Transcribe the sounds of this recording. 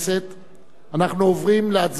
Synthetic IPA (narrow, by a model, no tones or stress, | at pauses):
set̪ | anaχnuovʁimleat͡s